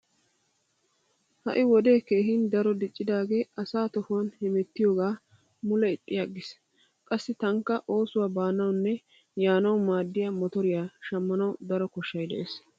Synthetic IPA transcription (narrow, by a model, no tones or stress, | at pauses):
hɐ̰ʔɪwɔd̪e̞ːkeːɦɪnd̪ɐɾɔd̪ɪt͡ʃʼːɪd̪aːɡe̞ːʔɐsaːt̪ɔfonhɪmɛt̪ːɪjo̞ːɡaː | mʊlɛɪt̪ʼːɪjaɡɪs | kʼɐsːɪt̪ɐŋkːɐʔo̞ːsʊwaːbaːnɐwnːɛ | jaːnɐwmaːd̪ːɪjamɔt̪ɔɾɪjaːʃɐmːɐnɐwd̪ɐɾɔkɔʃːɐjd̪ɛʔeːs